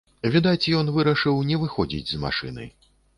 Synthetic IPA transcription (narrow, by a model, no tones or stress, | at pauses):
vʲid̪at͡sʲjɔnvɨɾɐʂɨwnʲɛvɨxɔd͡zʲḭd͡zʲzma̰ʂɨ̰nɨ̰